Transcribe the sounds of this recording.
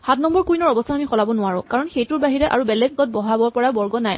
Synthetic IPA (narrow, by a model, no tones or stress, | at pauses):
xatnɔmbɔɹkujnɔɹɔbɔstʰaamixɔlabɔnʊwaɹʊ̃kaɹɔnxejtʊɹbaɦiɹɛʔa̰ɹubɛlɛɡ̚ɡɔt̚bɔɦabɔɹpɔɹabɔɹɡɔnaj